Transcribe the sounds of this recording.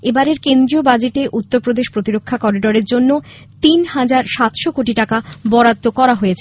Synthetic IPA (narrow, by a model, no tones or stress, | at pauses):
ebaɾeɾkend̪ɾiobad͡ʑeʈeʔut̪ːoɾpɾod̪eʃpɾot̪iɾokʰːakɔɖiɖoɾeɾd͡ʑonːo | t̪inhad͡ʑaɾʃat̪ʃokoʈiʈakabɔɾat̪ːokɔɾaɦojet͡ɕʰe